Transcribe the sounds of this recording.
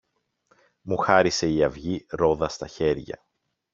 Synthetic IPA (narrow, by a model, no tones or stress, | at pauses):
muxɐɾise̞iɐvʝiɾo̞ðɐst̪ɐçe̞ɾʝɐ̰